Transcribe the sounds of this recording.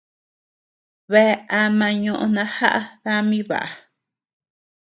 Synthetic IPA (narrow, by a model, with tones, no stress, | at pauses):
βe˦a˧mã˧ɲõ˧ʔõ˧nã˧ha˦ʔa˦ða˦mĩ˦βa̰˨ʔa˨